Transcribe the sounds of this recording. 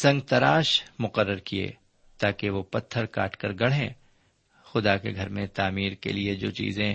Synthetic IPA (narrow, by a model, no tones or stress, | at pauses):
sɐ̃ŋɡ̚t̪ɐɾaːʃmʊqəɾːəɾkiḛː | t̪aːkeʋopɐt̪ʰːəɾka̰ːʈkəɾɡɐɽ̤ɦḛ̃ː | xʊd̪akḛɡʱɐɾmẽt̪aːmiːɾkḛlied͡ʒo̰ːt͡ʃḭːzẽ